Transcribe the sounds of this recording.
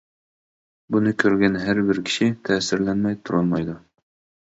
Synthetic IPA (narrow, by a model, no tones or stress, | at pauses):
bʊnɪkʰɵɾɡʲænɦæɾbɪɾkʲʰɪ̥ʃɪt̪ʰæːsɪ̆ɾlænmæjt̪ʰʊɾɑnmɑjd̪ʊ